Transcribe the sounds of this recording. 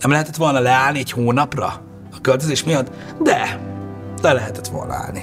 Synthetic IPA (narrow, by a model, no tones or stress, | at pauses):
nɛmlɛɦɛt̪ɛt̪ʋo̞lnɒlɛaːlniɛchoːnɒprɒ̰ | ɒkølt̪øzeːʃmijɒt̪ː | d̪ɛ | lɛlɛɦɛt̪ɛt̪ʋo̞̰lnɒ̰a̰ːlni